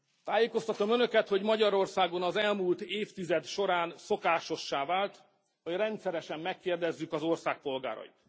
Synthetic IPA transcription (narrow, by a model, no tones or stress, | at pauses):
t̪aːjeːko̞st̪ɒt̪o̞mø̞nø̞kɛt̪ho̞ɟmɒɟɒɾo̞rsaːɡo̞nɒzɛlmuːlt̪eːft̪izɛd̪ʃo̞ɾaːnso̞kaːʃo̞ʃːaːvaːlt̪ | ho̞ɟrɛnt̪sɛɾɛʃɛmːɛkːeːrd̪ɛzːykɒzo̞rsaːk̚po̞lɡa̰ːɾɒ̰ḭt̪